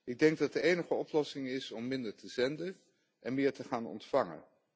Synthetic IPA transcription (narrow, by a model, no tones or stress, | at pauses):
ɪɡ̚dɛŋɡ̚dɑt̚dəejnəχəɔplɔsɪŋɪsɔmːɪndəɹtəzɛndən | ʔɛnmɪːɹtəχaːnɔ̰ntfɑŋə̰n